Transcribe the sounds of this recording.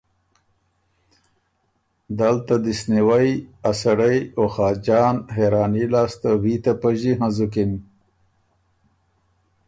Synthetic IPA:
d̪alt̪ad̪isniwajasaɽajoxɑːd͡ʒɑːnɦeɾɑːnilɑːst̪awit̪apaʒiɦãzukin

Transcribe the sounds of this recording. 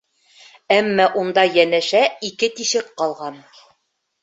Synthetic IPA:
æmːæʔund̪ɑjænæʃæikɘt̪iʃɘqqɑlˠʁɑn

